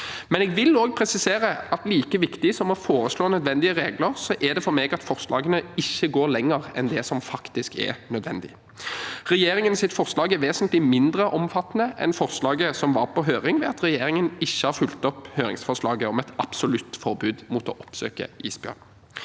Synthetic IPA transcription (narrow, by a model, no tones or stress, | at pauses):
mɛnɛːɡʋɪloːɡ̚pʰɾɛsɪseːɾəɑt̪liːkəʋɪkt̪ɪsɔmɔfoːɾəsloːnœd̪ʋɛnd̪ɪəɾeːɡləɾsɔʔɛd̪ɛfɔɾmeːɡɑt̪fɔɾslɑ̰ːɡənəɪçːəɡoːɾlɛŋːəɾɛnd̪ɛsɔmfɑkt̪ɪskɛ̰nœd̪ʋɛnd̪ɪ̰ | ɾɛjeːɾɪŋənsɪt̪fɔɾslɑːɡɛʋeːsənt̪lɪmɪnd̪ɾəʔɔmfɑt̪ːnəʔɛ̰nfɔʁslɑːɡəsɔmʋɑɾpɔɦøːɾɪŋʋɛɑt̪ɾɛjeːɾɪŋənɪçːəhɑɾfʉlt̪ɔphøːɾɪ̰ŋsfɔʁʂlɑːɡəɔmɛt̪ɑpsʊlʉt̪fɔɾbʉːd̪muːt̪ɔ̰ʔɔpsø̰ːkə̰ḭːsbɪø̰ːn